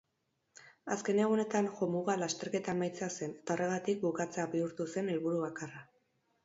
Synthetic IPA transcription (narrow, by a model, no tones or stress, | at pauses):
aske̞ne̞ɣ̞une̞t̪anʝomuɣalast̪e̞ɾke̞t̪amajt͡sease̞ne̞̥t̪ao̞rʔe̞ɣ̞at̪ik̚bukat͡se̞abiuɾt̪use̞nelβuɾuβakara